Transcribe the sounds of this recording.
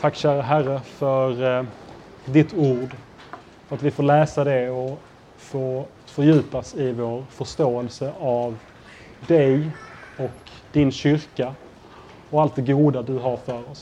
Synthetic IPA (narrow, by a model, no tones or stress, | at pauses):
t̪ʰakːɕæːɾəɦæɾːəfœɾ | d̪ɪt̪uːɖ | fœɾat̪vɪfoːlɛːsad̪ɛɔ | foː | fœɾjʉ̟ːpasɪvoːɾfœʂt̪oːɛlsəʔav | d̪ɛjɔk | d̪ɪnɕʏɾka | ɔalt̪̚d̪ɛɡuːd̪ad̪ɵɦaɾfœɾɔs